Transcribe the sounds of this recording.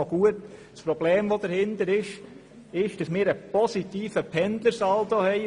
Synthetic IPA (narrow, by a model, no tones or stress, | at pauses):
oɡ̥uət | spɾɔb̥leːmʋod̥əɾhɪnt̪əɾɪʃ | ɪʃd̥ɑsmɪːɾəpɔsit̪iːfəpʰɛndləɾsɑltohɛɪ